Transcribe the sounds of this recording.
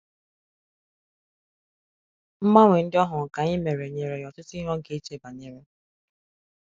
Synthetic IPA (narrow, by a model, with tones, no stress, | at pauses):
m̩˦ma˦ŋʷe˨n̩˦dɪ˦ɔ˦ɦʊ˨ka˨ɲɪ˦me˨ɾe˨ɲe˨ɾe˨jɔ˨tʊ˦tʊ˦i˦ɦɔ˦ŋ̩˦ke˦t͡ʃe˦ba˨ɲe˦ɾe˦